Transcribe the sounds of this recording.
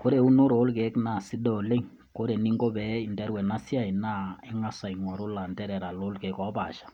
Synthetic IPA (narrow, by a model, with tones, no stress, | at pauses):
ko˦ɾe˨u˦no˦ɾo˨˦lke˨˦kna˨si˦dɔ˦˨le˦ŋ | ko˦ɾe˨ni˦ŋɡo˦bɛ˨˦i˨ndɛ˦ɾwɛ˨na˦sja˦˨i˨na˦ɪ˦ŋa˦sa˨i˨ŋɔ˨ɾo˦la˨ntɛ˦ɾɛ˨ɾa˨lo˦lke˨˦kɔ˨˦pa̰˨ʃḁ˨